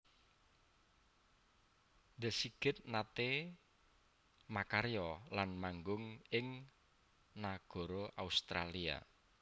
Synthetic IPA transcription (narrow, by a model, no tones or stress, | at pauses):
nd̪ə̤siɡ̥ɪt̪̚nat̪e | makaɾjɔlanmaŋɡʊŋɪŋ | naɡ̥ɔ̤ɾoʔaust̪ɾa̰lia̰